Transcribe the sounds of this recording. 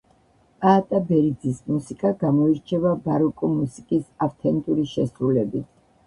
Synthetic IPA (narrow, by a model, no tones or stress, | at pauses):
pʼaːt̪ʼabɛɾid̪zismusikʼaɡamɔiɾt͡ʃʰɛvabaɾɔkʼɔmusikʼisaft̪ʰɛnt̪ʼuɾiʃɛsɾulɛbit̪ʰ